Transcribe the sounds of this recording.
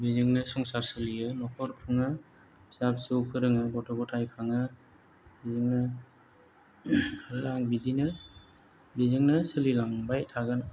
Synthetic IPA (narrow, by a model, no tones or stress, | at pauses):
bizɯŋnɯsɔŋsaɾsɯlijɯnɔkʰɔɾkʰɯŋɯ | sap̚sɯwkʰɯɾɯŋɯɡɔtʰɔɡɔtʰajkʰaŋɯ | bizɯŋnɯ | aɾɯaŋbidinɯ | bizɯŋnɯsɯlilaŋbajtʰaɡɯn